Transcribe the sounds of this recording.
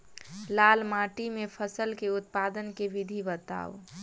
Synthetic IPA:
lalmaʈimepʰəsəlkeʊt̪̚pad̪ənkeʋid̪ʱibət̪a̰ːo

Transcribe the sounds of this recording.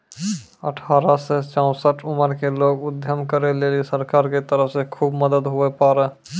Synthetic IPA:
ə̰ʈʰaːɾaset͡ʃãʊ̃səʈʰʊməɾkeloːɡʊd̪ʱjəmkəɾeleːlisəɾkaːɾket̪əɾəfsekʰuːbməd̪əd̪ɦʊɛpaːɾɛ

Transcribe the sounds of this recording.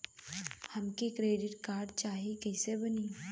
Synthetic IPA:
hɐmkikɾeːɖɪʈkaːɾɖ̚t͡ʃaːɦikɛɪsebɐniː

